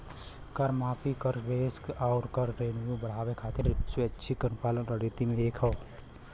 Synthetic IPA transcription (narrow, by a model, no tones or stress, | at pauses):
kəɾmaːpʰikəɾʋeːskaʊɾkəɾɾeːnjubəɽ̤aːʋekʰaːt̪ɪɾsweʃʰikənpaːlənɾəɽit̪imẽeːkʰəː